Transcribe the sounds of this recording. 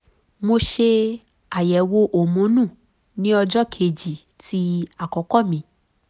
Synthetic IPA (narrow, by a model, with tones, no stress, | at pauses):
mo˧ʃe˧ | a˨jɛ˨wo˧ʔo˨mũ˨˦nũ˦˨ | nĩ˦ɔ˧d͡ʒɔ˦kʰe˧˨d͡ʒi˨ | ti˦a˨kɔ˨˦kɔ˦˨mĩ˨˧˦